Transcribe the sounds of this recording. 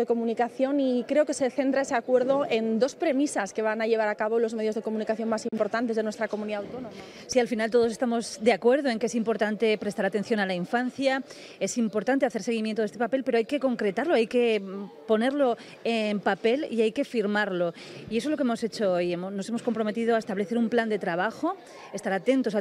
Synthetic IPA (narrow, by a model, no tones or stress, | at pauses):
eko̞munikaθjo̞nikɾe̞oke̞se̞θe̞nt̪ɾae̞seakwe̞ɾðo̞e̞nd̪o̞spɾe̞misaske̞βanaʎe̞β̞aɾakaβo̞lo̞zme̞ð̞jo̞zðe̞ko̞mũnikaθjo̞nmasimpo̞ɾt̪ant̪̬ezðe̞nwe̞st̪ɾako̞muniðawt̪onoma | sialfinalt̪o̞ð̞o̞se̞st̪amo̞zd̪e̞akwe̞ɾð̞oe̞ŋkees̬impo̞ɾt̪ant̪e̞pɾe̞st̪aɾat̪e̞n̟θjo̞nalaiɱfanθja | e̞simpo̞ɾt̪ant̪eaθe̞ɾse̞ɣ̞imjent̪oest̪pape̞lpeɾo̞ajke̞ko̞ŋkɾe̞t̪aɾloajke̞po̞ne̞ɾlo̞ | empape̞liajke̞fiɾmaɾlo̞ | ies̬o̞zlo̞keemo̞set͡ʃo̞ojemono̞se̞moskompɾo̞me̞t̪ið̞oaest̪aβle̞θe̞ɾumpland̪e̞t̪ɾaβ̞axo | est̪aɾat̪e̞nt̪o̞sa